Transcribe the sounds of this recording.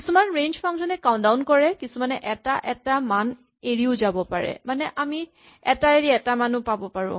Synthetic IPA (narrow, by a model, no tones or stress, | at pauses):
kisumanɹend͡ʒpʰɔŋzɔnɛkawndaʊnkɔɹɛkisumanɛʔɛtaʔɛtaman | eɹiʊzabɔpaɹɛ̰manɛʔami | ɛtaeɹiɛtamanʊpabɔpaɹʊ̰̃